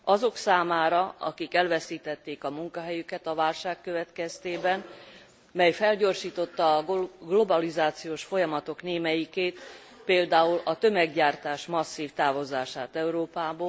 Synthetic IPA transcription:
ɒzo̞ksaːmaːɾɒɒ̰kikɛlvɛsiːt̪ɛt̪ːeːkɒmuŋkɒɦɛjykɛt̪ɒvaːlʃaːkːø̞vɛt̪kɛst̪eːbɛn | mɛjfɛlɟo̞rʃiːt̪o̞t̪ːɒːɡlo̞bɒlizaːt̪sijoːʃfo̞jɒmɒt̪o̞kneːmɛjikeːt̪ | peːld̪aːulɒt̪ø̞mɛɡɟaːrt̪aːʃmɒsːiːft̪aːvo̞zaːʃaːt̪ɛuɾoːpaːboː

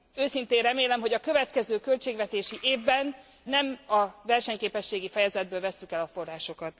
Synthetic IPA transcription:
øːsint̪eːrɛmeːlɛmɦo̞ɟɒkø̞vɛt̪kɛzøːkølt͡ʃeːɡvɛt̪eːʃiʔeːvbɛnː | ɛmɒvɛrʃɛɲkeːpɛʃːeːɡifɛjɛzɛd̪̚bøːlvɛsːykɛlɒfo̞rːaːʃo̞kɒt̪

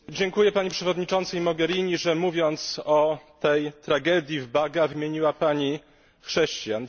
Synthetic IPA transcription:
d͡ʑɛŋkujɛpaɲipʂɛvɔd̪ɲit͡ʂɔ̃nt̪sɛjmɔɡɛɾiɲiʐɛmuvʲjɔnt̪sɔt̪ɛjt̪ɾaɡɛd̪ʲjivbaɡavɘmʲjeɲiwapaɲi | xʂɛɕt͡ɕjan

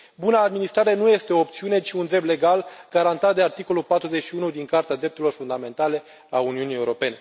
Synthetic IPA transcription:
bunaːd̪minist̪ɾaɾe̞nuje̞st̪eo̞ːp̚t̪siune̞t͡ʃiund̪ɾe̞b̪̚le̞ɡalɡ̥aɾant̪at̪̚d̪e̞art̪iko̞lulpat̪ɾuze̞t͡ʃʃiunud̪iŋkart̪ead̪ɾept̪uɾilo̞rfund̪ame̞nt̪ale̞ | auniunije̞uɾo̞pe̞ne̞

